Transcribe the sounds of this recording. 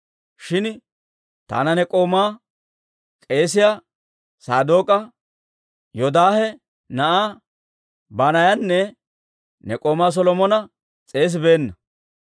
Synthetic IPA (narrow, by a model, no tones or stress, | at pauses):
ʃɪn | t̪a̰ːnɐnɛkʼo̞ːmaː | kʼe̞ːs̬ɪja | saːd̪o̞ːkʼɐ | jɔd̪aːhɛ | nɐʔaː | baːnɐjɐnːɛ | nɛkʼo̞ːmaːs̬ɔlɔmɔnɐ | t͡sʼe̞ːs̬ɪbe̞ːnːɐ